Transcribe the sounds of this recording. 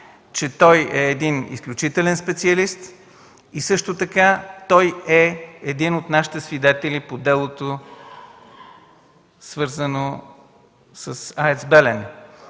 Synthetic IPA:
t͡ʃɛt̪ɔjɛːd̪inḭsklʲut͡ʃit̪ɛlɛnspɛt̪siɐlist̪ | isɤʃt̪ot̪ɐkat̪ɔjɛːd̪inot̪naʃi̥t̪ɛsvid̪ɛt̪ɛlipod̪ɛlˠot̪o | svɤɾzəno | səsaɛt̪sbɛlɛn

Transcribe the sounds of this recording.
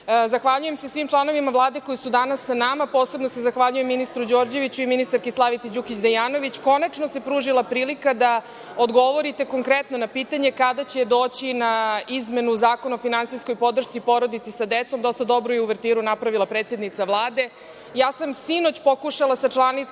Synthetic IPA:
zaxʋaʎuje̞mse̞sʋimt͡ʃlˠano̞ʋimaʋlˠaːd̪e̞ko̞jisud̪anasːanamapo̞ːse̞bnose̞zaxʋaʎujemːinist̪ɾud͡ʑo̞ːɾd͡ʑe̞ʋit͡ɕuiminist̪aɾkeslˠaʋit̪sed͡ʑukit͡ɕd̪ajaːno̞ʋit͡ɕko̞nat͡ʃno̞se̞pɾuːʒilˠapɾiːlikad̪a | od̪ɡo̞ʋo̞ɾit̪e̞ko̞ŋkɾet̪no̞napiːt̪aɲe̞kad̪at͡ɕe̞d̪o̞ːt͡ɕinaizme̞nuzaːko̞naofinansijsko̞jpo̞d̪r̩ʃt̪sipo̞ɾo̞d̪it̪sisad̪et̪so̞md̪o̞st̪ad̪o̞bɾojeuʋɾt̪iːɾunapɾaʋilˠapɾeːt̪sed̪nit̪saʋlˠaːd̪e̞ | jaːsamsino̞t͡ɕpo̞kuʃalasat͡ʃlˠanit̪

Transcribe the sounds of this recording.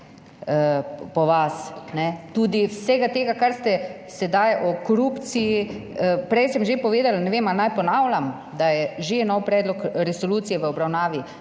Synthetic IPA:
əpɔʋasnɛt̪uːd̪iwsɛɡat̪eːɡakaɾst̪ɛ | sɛd̪ajʔɔkoɾupt̪sijiəpɾɛjsɛmʒepɔʋeːd̪alanɛʋemanajpɔnawlʲam | d̪ajɛʒenɔwpɾɛːd̪lɔkɾɛsoluːt̪sijɛʋəɔbɾawnaːʋi

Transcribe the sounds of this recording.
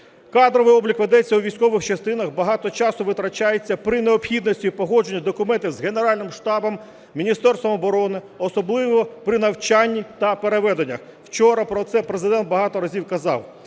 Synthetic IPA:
kɑd̪ɾɔʋɪjɔblʲikʋed̪ɛt͡sʲːɐuʋʲijsʲkɔʋɪxt͡ʃɐst̪ɪnɐxbɐɦɑt̪ɔt͡ʃɑsʊʋɪt̪ɾɐt͡ʃɑjet͡sʲːɐpɾɪneɔpxʲid̪nɔsʲtʲiipɔɦɔd͡ʒenʲːɐd̪ɔkʊmɛnt̪ɪwzɦeneɾɑlʲnɪmʃt̪ɑbɔm | mʲinʲist̪ɛrst̪ʋɔmɔbɔɾɔnɪ | ɔsɔblˠɪʋɔpɾɪnɐwt͡ʃanʲːit̪ɐpeɾeʋɛd̪enʲːɐx | w̥t͡ʃɔɾɐpɾɔt̪sɛpɾe̞zɪd̪ɛnt̪̚bɐɦɑt̪ɔɾɐzʲiwkɐzɑ̰w

